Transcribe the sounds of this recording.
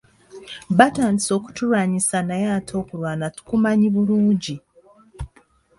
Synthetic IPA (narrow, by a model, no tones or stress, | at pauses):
βataːndiso̞ːku̥tuɾaːɲisanajaːtʰo̞ːkuɾwaːnatu̥kumaɲiβuluːɲɟi